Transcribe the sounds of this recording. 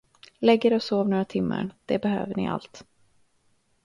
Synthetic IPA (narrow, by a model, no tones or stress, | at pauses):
lɛɡːəɾɔsoːvnoːɾat̪ʰɪmːə̰ɳd̪̥ɛbɛɦøːvəɳɪʔa̰lt̪